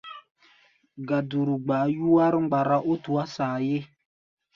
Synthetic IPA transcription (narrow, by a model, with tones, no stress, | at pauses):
ɡa˨du˨ɾu˨ɡ͡ba˨˦ju˦wa˦ɾɪ˦ŋ͡mɡ͡ba˨ɾa˦ʔo˦tu˨a˦saː˨je˦